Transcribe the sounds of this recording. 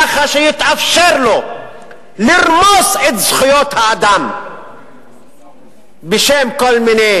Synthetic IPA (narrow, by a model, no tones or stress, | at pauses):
aχaʃejit̪ʔafʃeɾlo | liʁmoset̪z̥χujot̪haːd̪am | beʃemkolmine